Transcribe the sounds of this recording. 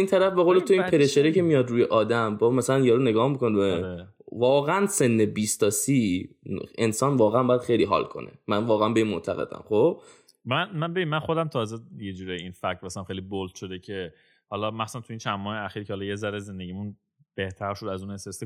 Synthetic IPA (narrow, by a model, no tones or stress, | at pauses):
iːnt̪ʰæɾæfbe̞ɣolet̪ʰoiːnpʰeɾeʃeɾecʰe̞mijɒd̪ɾuːjeʔɒːd̪æmbɒmæsælænjɒːɾune̞ɡɒːhmikoneevɒːɣeænse̞nːebiːst̪ɒːsi | ensɒːnvɒːɣeæmbɒːjæd̪xe̞jliːɦɒ̰ːlkʰo̞̰nḛmænvɒːɣeænbe̞iːnmont̪ʰæɣḛd̪æ̰mχob̥̚ | mænmænbe̞bimːænxod̪æmt̪ʰɒːzejed͡ʒuːɾejinfækʰmæsælæmxejlibolt̪ʃod̪ecʰe | hɒlɒmæxχsu̥sænt̪ʰuiːnt͡ʃʰænmɔːheæxiːɾkʰehɒlɒjezæɾezend̪eɟʲimun | b̥eht̪ʰæɾʃod̪æzunesese